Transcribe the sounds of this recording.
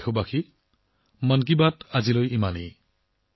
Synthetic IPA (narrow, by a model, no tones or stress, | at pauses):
kʰobaxʰi | mank̬ibatazilojimanḭ